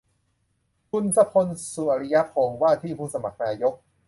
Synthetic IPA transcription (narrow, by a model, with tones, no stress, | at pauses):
kʰu˧nsa˧pʰo˧nsu˨˩ʔa˨˩ɾi˦ja˦˥pʰhoː˧ŋwaː˥˩t̪ʰiː˥˩pʰuː˥˩sa˧ma˨˩k̚naː˧jo˦˥k̚